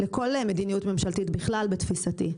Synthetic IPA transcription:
leko̞lmed̪inijutme̞mʃalt̪it̪biχlalbet̪fisat̪ḭ

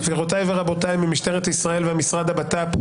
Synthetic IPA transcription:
viʁot̪ajveʁabo̞t̪ajimimiʃt̪eʁet̪aisʁae̞lveamisʁad̪abat̪ap

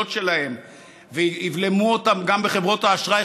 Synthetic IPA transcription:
otʃe̞lahe̞m | veivle̞muotamɡambeχe̞vʁo̞taːʃʁa

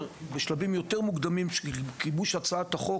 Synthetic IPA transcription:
beʃlabimjo̞t̪eʁmuɡd̪amimʃekibuʃat͡saataχo̞

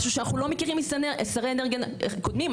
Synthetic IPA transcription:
ʃuʃeanaχnulomekiʁimeseneesaʁeeneʁɡenkod̪mim

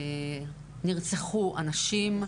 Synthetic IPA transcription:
niʁt͡seχuʔanaʃim

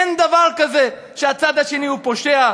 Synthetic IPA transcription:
nd̪avaʁkaze̞ | ʃeat͡sad̪haʃe̞niupo̞ʃea

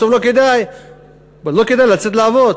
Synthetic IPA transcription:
ovloked̪aj | balo̞ked̪ajlat͡set̪laːvo̞d

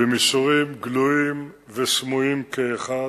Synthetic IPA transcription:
bemisuʁimɡluim | vesmujimkeːχa

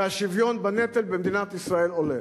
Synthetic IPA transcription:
aʃivjonbanet̪elbemd̪inat̪isʁaelole

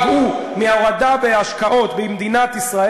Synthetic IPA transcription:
vu | miaʁad̪aveaʃkaʔo̞t̪bimd̪inat̪isʁa

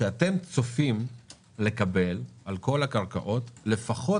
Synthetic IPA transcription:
ʃeate̞mt͡sofim | le̞kabe̞lʔalko̞lakaʁka̰ʔo̞tle̞faχo̞

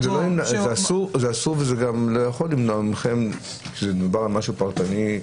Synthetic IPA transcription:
zelonimnazeasuʁzeasuʁvezeɡamlojaχo̞limnoamχem | kezedubaʁalmaʃupaʁt̪ani

